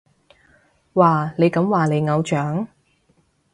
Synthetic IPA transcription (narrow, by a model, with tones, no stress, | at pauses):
waː˨ne˨˧jkɐ˨˧˥mwaː˨ne˨˧jŋɐ˨˧wt͡ʃœː˨˥ŋ